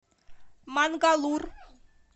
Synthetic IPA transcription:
manɡalur

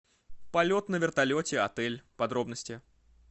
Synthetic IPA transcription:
pɐlʲot̪nəvʲɪrt̪ɐlʲotʲɪɐt̪ɛlʲpɐd̪ɾo̞bnəsʲtʲɪ

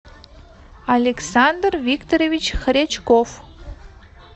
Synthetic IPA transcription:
alʲeksand̪rvʲikt̪oɾʲevʲit͡ɕxɾʲet͡ɕkof

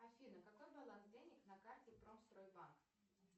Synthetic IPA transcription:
ɐfʲinəkɐko̞jbɐlˠansdʲenʲɪknɐkartʲɪpɾomst̪ɾojbank

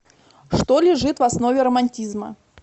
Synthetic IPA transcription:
ʂt̪olʲɪʐɨt̪vɐsno̞vʲɪɾəmɐnʲtʲizmə̰

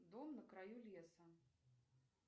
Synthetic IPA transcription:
d̪ɔmnɐkɾajulʲɛsɐ

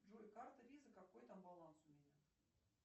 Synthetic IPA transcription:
ʐolʲkart̪əvʲizəkakojt̪ambalˠansʊmʲenʲa

